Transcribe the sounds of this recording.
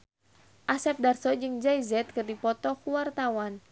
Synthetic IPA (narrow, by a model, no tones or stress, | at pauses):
ʔasɛp̚darsɔd͡ʒɨŋd͡ʒaizɛt̪̚kɨrdipɔt̪ɔkuwart̪awan